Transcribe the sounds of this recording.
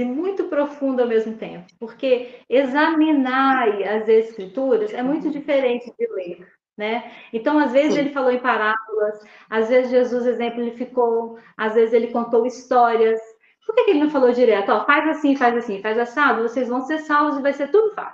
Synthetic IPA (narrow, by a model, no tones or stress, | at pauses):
ɪmũj̃t̪ʊpɾofũnd̪ʊawmezmʊt̪ḛ̃pʊ̥poɾkeezɐminaɐzeskɾit̪uɾɐzɛmũj̃t̪ʊd͡ʒifeɾẽnt͡ʃɪd͡ʒɪleɾ | nɛẽt̪ɐ̃w̃azvezɪzelɪfalowẽj̃paɾabʊlɐs | azvezɪzʒezuzezẽmplʊelɪfikowazvezɪzelɪkõnt̪owist̪ɔɾiɐs | poɾkekɪelɪnɐ̃w̃falod͡ʒiɾɛt̪ʊɔfajzasĩfajzasĩfajzasabɪvosejzvɐ̃w̃seɾsawvʊzɪvajseɾt̪ud̪ʊfa̰s